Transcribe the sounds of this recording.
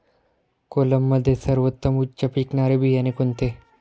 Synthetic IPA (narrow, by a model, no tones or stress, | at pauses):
kolɐmːɐd̪esɐɾʋɐt̪ːɐmut͡ʃt͡ʃɐpiːknaːɾebʱijɐnekont̪e